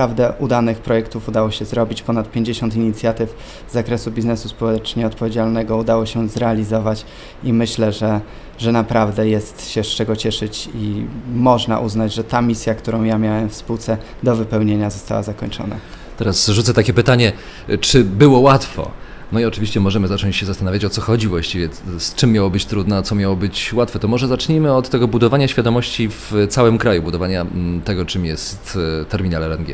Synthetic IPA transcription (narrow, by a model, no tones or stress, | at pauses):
ɾavd̪ɛʔud̪anɘxpɾɔjɛkt̪ufud̪awɔɕɛzɾɔbʲit͡ɕpɔnat̪̚pʲjeɲd͡ʑeɕɔnt̪iɲit̪sʲjat̪ɘf | zːakɾɛsubʲiznɛsuspɔwɛt͡ʂɲɛɔt̪̚pɔvʲed͡ʑalnɛɡɔud̪awɔɕɛzɾɛalʲizɔvat͡ɕ | imɘɕlɛʐɛ | ʐɛnapɾavd̪ɛjɛst̪ɕɛʂt͡ʂɛɡɔt͡ɕɛʂɘt͡ɕḭmɔʐna̰ʔuznad͡ʑʐɛt̪amʲisʲjakt̪uɾɔ̃w̃jamʲjawɛmfspuwt̪sɛ | d̪ɔvɘpɛwɲeɲazɔst̪a̰wa̰zakɔɲt͡ʂɔ̰na̰ | t̪ɛɾasʐut̪sɛt̪akʲɛpɘt̪aɲɛ | t͡ʂɘbɘwɔwat̪fɔ̰ | nɔiɔt͡ʂɘvʲiɕt͡ɕɛmɔʐɛmɘzat͡ʂɔɲt͡ɕɕɛzast̪anavʲjat͡ɕɔt̪sɔxɔd͡ʑivwaɕt͡ɕivʲjɛst͡ʂɘmːjawɔbɘt͡ɕt̪ɾud̪nɛt̪sɔmʲjawɔbɘt͡ɕwat̪fɛt̪ɔmɔʐɛzat͡ʂɲimɘɔt̪ːɛɡɔbud̪ɔvaɲaɕfʲjad̪ɔmɔɕt͡ɕift̪sawɛmkɾajubud̪ɔvaɲat̪ɛɡɔt͡ʂɘmjɛst̪t̪ːɛɾmʲinalɛɾɛnɡʲjɛ̰